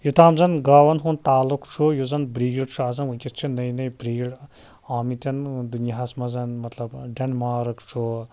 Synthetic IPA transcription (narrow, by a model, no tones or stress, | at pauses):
jut̪ʰaːmzɐnɡaːwɐnɦunt̪aːlukʰt͡ʃʰujuzɐnbɾiːɡiɽt͡ʃʰuaːzɐnukʲist͡ʃʰinɐjnɐjbɾiːɡɽ | aːmit̪ʲɐnd̪unjaɦɐsmɐzɐnmɐt̪lɐbɖɐnmaːɾɐkt͡ʃʰu